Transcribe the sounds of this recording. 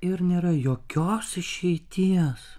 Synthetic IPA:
ɪɾnʲeːɾɐjoːkʲoːsɪʃʲɛɪt̪ʲiɛs

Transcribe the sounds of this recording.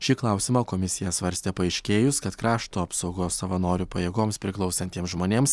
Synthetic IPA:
ʃʲɪklˠɑˑʊsʲɪmɑːkoːmʲɪsʲɪjɛsʋɐɾʲsʲt̪ʲɛpɐɛɪʃʲkʲeːjʊskɐt̪kɾɑːʃt̪uːɐpsɒʊɡoːsɐʋɐnoːɾʲupɐjeːɡoːmspʲɾʲɪklˠɒʊsʲɐnʲt̪ʲiɛmsʒmoːnʲeːms

